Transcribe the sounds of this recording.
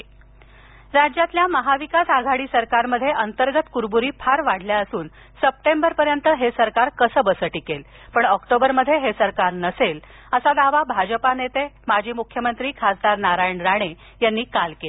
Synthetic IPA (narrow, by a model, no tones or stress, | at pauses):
ɾad͡ʑjat̪ljaməɦaʋikasaɡʱaɽiːsəɾkaɾməd̪ʱjeʔənt̪əɾɡət̪kuɾbuɾiːpʰaɾʋaɽ̤ljaəsuːn | səp̚ʈembəɾpəɾjənt̪əɦesəɾkaɾkəsəːbəsəʈikel | pəɳɔkʈobəɾməd̪ʱːjeɦesəɾkaɾnəsel | əsad̪aʋabʱad͡ʑəpanet̪emad͡ʑʱiːmukʰjəmənt̪ɾiːkʰasd̪aɾnaɾajəɳɾaɽ̃e | janːiːkalkel